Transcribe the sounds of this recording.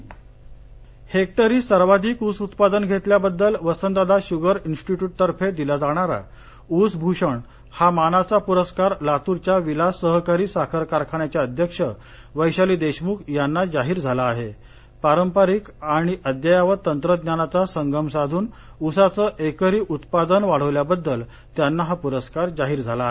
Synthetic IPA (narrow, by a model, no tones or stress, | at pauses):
hek̚t̪əɾiːsəɾʋad̪ʱiːkusut̪pad̪ənɡʱet̪ljabəd̪ːəlʋəsənd̪ad̪aɕuɡəɾinsʈiʈjuːʈ̚t̪əɾfed̪ilad͡zaɽ̃aɾa̰ | usbʱuɕəɳ | hamanat͡sapuɾəskaɾlat̪uɾt͡ɕjaʋilasəɦkaɾiːsakʰəɾkaɾkʰaɳjat͡ɕjaəd̪ʱjəkʂə | ʋəjɕaliːd̪eɕmukʰjanːad͡zaɦiːɾd͡zʱalaːɦe | paɾəmpaɾikaɽ̃iʔəd̪jajaʋət̪ənt̪ɾəd̪njanat͡sasəŋɡəmsad̪ʱuːn | usat͡səʔekəɾiːʔut̪pad̪ənʋaɽ̤əʋljabəd̪ːəl | t̪janːaɦapuɾəskaɾd͡zaɦiːɾd͡zʱalaɦe